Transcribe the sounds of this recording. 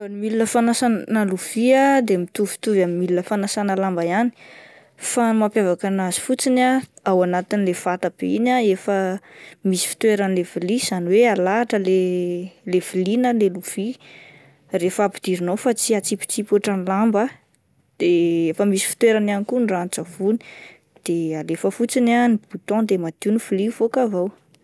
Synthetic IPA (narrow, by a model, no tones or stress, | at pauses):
anumilinəfanasannəluv̥iad̪emit̪uv̥i̥t̪uvamimilinəfanasanəlambajani̥ | famapavakanazi̥fut͡sinaawanat̪inilefat̪ab̥einaefəmisi̥fi̥t̪weɾanilev̥iliz̥aniwealaʈ͡ʂəlelevilinəleluv̥i | refapi̥d̪̥iɾinowfat͡siat͡sipi̥t͡sipaʈ͡ʂanilambə | d̪̥eefəmisi̥fi̥t̪weɾananikunrant͡savuni̥ | d̪̥ealefəfut͡sinanib̥ut̪ɔ̃d̪emad̪̥iunifulifokavaw